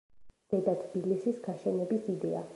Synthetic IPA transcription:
d̪̥ɛd̪at̪ʰbilisisɡaʃɛnɛbisid̪ɛa̰

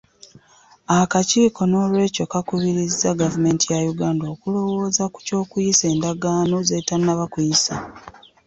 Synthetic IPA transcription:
akaciːko̞no̞ːlwe̞ːco̞kakuβiɾizːaɡavume̞ːntijajuɡaːndoːkulo̞wo̞ːzaku̥co̞ːkujise̞ːndaɡaːnozetanːaβakujisa

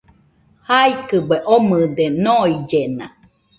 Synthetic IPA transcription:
haikɨbweʔomɨd̪enoid͡ʒena

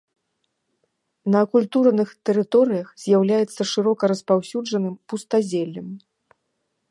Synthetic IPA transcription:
nɐkulʲt̪urnɨxt̪ɛɾɨt̪ɔɾɨjɐxzʲjawlʲajɛt̪sːɐʂɨɾɔkɐɾɐspawsʲud͡ʐɐnɨmpust̪azʲɛlʲːɐm

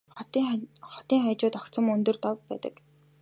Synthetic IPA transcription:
χt̪χɔt̪iːŋχajt͡ɕʊːt̪ɔk̪t͡sə̆mɵnt̪ɵ̆rt̪ɔwpːæ̰ːt̪ə̰̆k

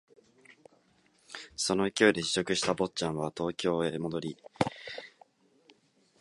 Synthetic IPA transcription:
so̞no̞kʲo̞ːd̪e̞ɕi̥ɕo̞kɯ̟ɕi̥t̪abo̞tːt͡ɕãɰ̃βat̪o̞ːkʲo̞ːemo̞d̪o̞ɾʲi

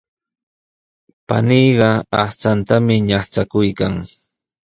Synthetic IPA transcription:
pa̰niːɢɑaht͡sant̪amɪɲɑχt͡sakʊjkaŋ

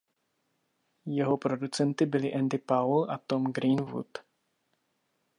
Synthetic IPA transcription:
jɛɦopɾodut͡sɛnt̪ɪbɪlɪʔɛnd̪ɪpawlʔat̪omɡɾinvṵt̪

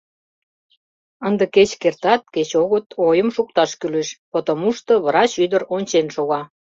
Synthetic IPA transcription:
ənd̪ə̆ket͡ɕkert̪ɑt̪̚ket͡ɕoɣət̪ʰojəmʃuk̚t̪ɑʃkyleʃpot̪əmuʃt̪ŏβɾɑt͡ɕyd̪əɾonʲt͡ɕenʃoɣɑ

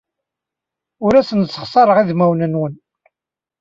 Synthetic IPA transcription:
ʊɾæsənsːə̥χsˤɑɾˤəʁiðmæwnənwən

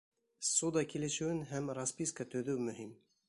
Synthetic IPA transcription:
sud̪ɑkilɘ̆ʃɘ̆wɘnɦæmɾaspʲiskət̪ɵ̆ðɵwmɵ̆ɦim

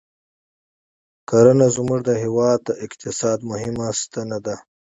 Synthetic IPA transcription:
kaɾɐnazumuʐd̪əɦiwɑːd̪̚t̪əʔɪkt̪ɪsɑːd̪mʊɦɪmast̪anad̪a

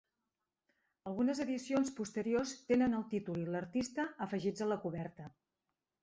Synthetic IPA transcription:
əlˠɣunəzəðisionspust̪əɾiost̪enənəlˠt̪it̪uliləɾt̪ist̪əːfəʒid͡zələkuβɛɾt̪ə

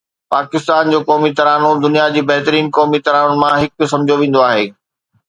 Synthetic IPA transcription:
paːkɪst̪aːnd͡ʑoːkɔːmit̪ɐɾaːnod̪ʊnijad͡ʑiːbɐɦɪt̪əɾiːnkɔːmit̪ɐɾaːnʊnɪ̆mãɦɪk̆̚sɐ̃md͡ʑʱoʋẽːn̆d̪oaːɦeː

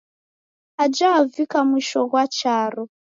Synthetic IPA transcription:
ad͡ʒaːvikamwiʃɔɣwat͡ʃaɾɔ

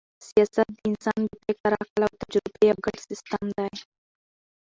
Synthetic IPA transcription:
sijɑsat̪̚d̪əɪnsɑnd̪əpekaɾɑkəlawt̪ad͡ʒɾɪbejawɡəɽsɪst̪əmd̪aj

